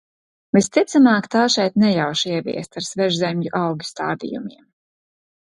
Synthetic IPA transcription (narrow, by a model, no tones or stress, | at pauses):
vist̪it̪samaːkt̪aːʃɛjt̪nɛjawʃiɛvʲḭɛst̪aɾsvɛʒzɛmʎuʔɑwɡʲi̥st̪a̰ːd̪ḭjṵmiɛm